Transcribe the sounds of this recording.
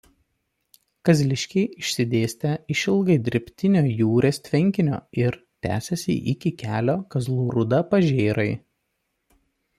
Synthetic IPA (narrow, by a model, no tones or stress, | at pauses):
kɐzʲlʲɪʃʲkʲɛɪɪʃʲsʲɪd̪ʲeːsʲt̪ʲɛɪʃɪlˠɡɐɪd̪ʲɪɾʲɪpʲt̪ʲɪnʲoːjuːɾʲeːsʲt̪ʲʋʲɪŋʲkʲɪnʲo̰ːɪɾ | t̪ʲæ̰ːsʲɛsʲḭʔɪkʲɪkʲæːlʲoːkɐzlˠuːɾʊd̪ɐpɐʒʲeːɾɐɪ